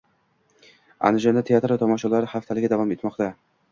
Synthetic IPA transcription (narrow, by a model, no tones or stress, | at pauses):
a̰nɪʒand̪at̪ʰeat̪ɾvat̪ʰɒmɒʃalaɾɪhaft̪ʰalɪɡʲad̪avɒme̞t̪mɒqt̪ʰa